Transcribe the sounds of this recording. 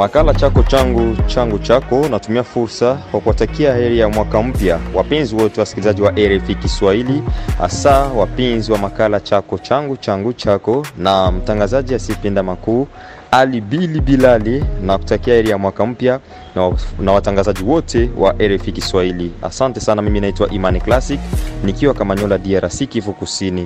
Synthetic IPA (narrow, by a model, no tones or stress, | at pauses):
makalat͡ʃakɔt͡ʃaŋɡut͡ʃaŋɡut͡ʃakɔnatumiafuɾsakwakuwatakiahɛɾɛjamwakam̩pjawapɛnziwɔtɛwasi̥kilizad͡ʒiwaʔɛɾɛfikiswahiliha̰sawapinziwamakalat͡ʃakɔt͡ʃaŋɡut͡ʃaŋɡut͡ʃakɔnam̩taŋɡazaʄiasipindamakuː | alibilibilalinaku̥takiahɛɾɛjamwakam̩pja | nawataŋɡazaʄiwɔtʰɛwa̰ʔɛɾɛfikiswahilia̰santɛsanamiminaitwa̰ʔimaniklasiknikiwakamaɲɔlaadiaɾasikifukusini